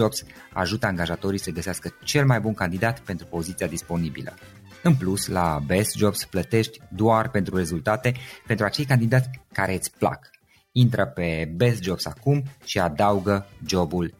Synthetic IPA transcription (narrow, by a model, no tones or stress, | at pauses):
obs | a̰ʒut̪əaŋɡaʒat̪o̞ɾijsəɡəseaskət͡ʃe̞lmajbunkand̪id̪at̪pe̞nt̪ɾupo̞zit̪siad̪ispo̞nibḭlə̰ | ɨnpluslabesd͡ʒo̞bsplət̪e̞ʃt̪ʲd̪oarpe̞nt̪ɾure̞zult̪at̪e̞pe̞nt̪ɾuat͡ʃe̞jkand̪id̪at̪sʲkaɾe̞t̪sʲpla̰k | int̪ɾəpe̞be̞sd͡ʒo̞bsakumʃiad̪auɡəd͡ʒo̞bul